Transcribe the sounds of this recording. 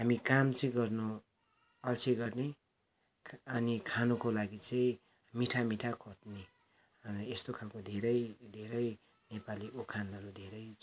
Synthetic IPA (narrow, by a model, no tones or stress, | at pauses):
ɦamikamt͡sʌĩɡʌrnu | ʌlt͡sʰeɡʌrne | ʌnikʰanukolaɡit͡sʌĩ | miʈʰamiʈʰakʰot̪̚ne | est̪okʰalkod̪ʱeɾʌjd̪ʱeɾʌj | nepaliʔokʰanʌɾud̪ʱeɾʌj